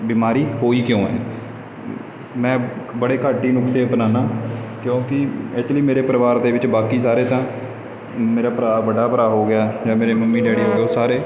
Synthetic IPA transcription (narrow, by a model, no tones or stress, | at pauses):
bimaːɾiːɦoːiːkjõːɛ̰ː | mɛ̃ːbəɽeːkaːʈiːnʊkt̪eːpnaːnãːkjõːkɪɛːt͡ʃliːmeːɾeːpəɾəʋaːɾd̪eːʋɪt͡ʃbaːkiːsaːɾeːt̪ãː | meːɾaːpəɾaːbəɖaːpəɾaːɦoːɡɪaːd͡ʒãːmeːɾeːməmːĩːɖɛːɽiːɦoːɡeoːsaːɾeː